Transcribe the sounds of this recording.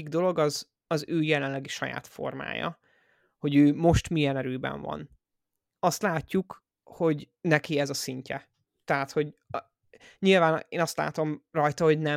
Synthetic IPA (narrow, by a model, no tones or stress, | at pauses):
iɡd̪o̞lo̞ɡɒz | ɒzøːjɛlɛnlɛɡiʃɒja̰ːt̪fo̞̰rma̰ːjɒ̰ | ho̞ɟøːmo̞ʃt̪mijɛnɛɾøːbɛ̰ɱvɒ̰n | ɒst̪laːcːuk | ho̞ɟ | nɛkiɛzɒsiɲcɛ | t̪ɛɦaːt̪ho̞ɟ | ɲilvaːneːnɒst̪la̰ːt̪o̞mrɒjt̪ɒho̞ɟnɛ